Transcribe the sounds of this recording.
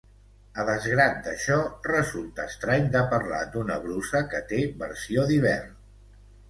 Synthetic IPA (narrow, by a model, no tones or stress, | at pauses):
əðəzɣɾat̪̚d̪əʃɔrəzulˠt̪əːst̪ɾaɲd̪əpəɾla̰d̪unəβɾusəkət̪eβəɾsioðiβɛrn